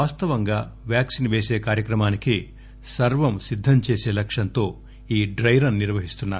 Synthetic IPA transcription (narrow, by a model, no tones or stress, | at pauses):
aːst̪ɐʋɐŋɡaːʋjaːksinʋeːse̞ːkaːɾjɐkɾɐmaːniki | sɐɾʋɐmsid̪ʱːɐmt͡ʃeːse̞ːlɐkʂɐnt̪o̞ː | iːɖɾɐjɾɐnːiɾʋɐɦist̪unːaːɾu